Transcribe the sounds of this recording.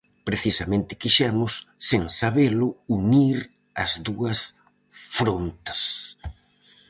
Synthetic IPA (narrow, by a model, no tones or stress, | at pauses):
pɾeθisɐmẽnt̪ɪ̥kiʃɛmʊsːeŋsaβelʊuniɾ | ɐ̰zðuɐs | fɾont̪ɐ̥s